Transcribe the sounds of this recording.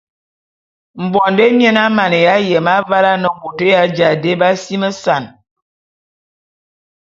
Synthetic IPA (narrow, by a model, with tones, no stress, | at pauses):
m̩˨bɔ˨nde˦mjɛ˦na˦ma˨ne˨ja˦jɛ˨ma˦va˦la˦nə˨bo˨tə˦ja˨˦d͡ʒa˨de˦ba˦si˦mə˦sa˨n